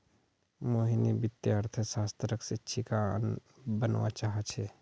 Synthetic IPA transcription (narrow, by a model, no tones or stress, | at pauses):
moːɦinibɪt̪jaɾt̪ʰəsaːst̪ɾəksɪtːʃʰika | bənwa̰t͡ʃaːɦət͡ʃʰɛː